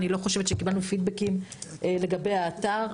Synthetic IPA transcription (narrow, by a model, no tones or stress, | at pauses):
nilo̞χoʃevetʃekibalnufid̚bekimʔele̞ɡabejaːtaʁ